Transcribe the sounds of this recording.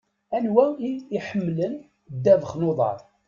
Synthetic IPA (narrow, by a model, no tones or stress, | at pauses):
ænwæiiħəmːlən | d̪ːævəχnoðˤɑ̰ɾˤ